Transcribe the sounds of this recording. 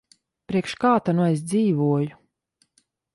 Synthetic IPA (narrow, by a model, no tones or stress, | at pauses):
pɾiɛkʃkaːt̪anues̬d̪ziːvuɔju